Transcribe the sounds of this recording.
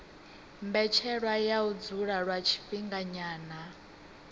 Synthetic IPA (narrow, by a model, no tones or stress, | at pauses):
mbɛt͡ʃʰɛɺwajaud͡zuɺaɺwat͡ʃʰi̥ɸiŋɡaɲaːna